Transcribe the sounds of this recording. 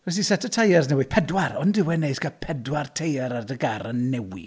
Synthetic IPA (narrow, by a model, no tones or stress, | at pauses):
vɛs̬isɛtətʰajɛrznɛwɪpʰɛdwaɾɔndɪwɛneɨskapʰɛdwartʰejəɾardəɡaɾənːɛwḭ